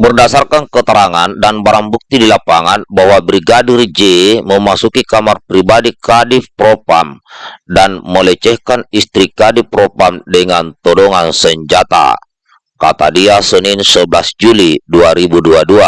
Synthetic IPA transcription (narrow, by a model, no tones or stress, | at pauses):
bərdasarkankət̪əɾaŋandanbaɾaŋbuk̚t̪idilapaŋanbaɦwabɾiɡadurd͡ʒeməmasukikamarpɾibadikadipɾopa̰mdanmələt͡ʃɛhkanist̪ɾikadipɾopamdəŋant̪ɔdɔŋansəɲd͡ʒat̪a̰ | kat̪a̰diasəninsəbəlasd͡ʒuliduaɾibuduadua